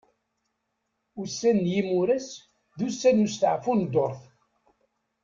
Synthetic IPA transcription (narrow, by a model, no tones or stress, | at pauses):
usːænːjimuɾæs | ðusːænust̪əʕfund̪oɾˤθ